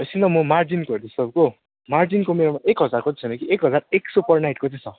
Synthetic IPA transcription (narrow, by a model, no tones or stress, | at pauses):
ʌsint̪ʌmʌmard͡zinkord̪isʌbko | mard͡zinkomeɾomaʔekɦʌd͡zarkot͡sʌt͡sʰʌnʌkiekɦʌd͡zareksupʌrnajʈkot͡sʰĩt͡sʰʌ